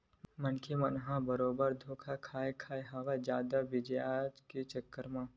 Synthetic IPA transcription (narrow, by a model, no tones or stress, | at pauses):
mɐnkʰemɐnɦãbɐɾoːbəɾd̪ʱoːkʰakʰaːekʰaːjɦaʋad͡ʒjaːd̪abɪd͡ʒeaːd͡ʒkit͡ʃəkːəɾmãː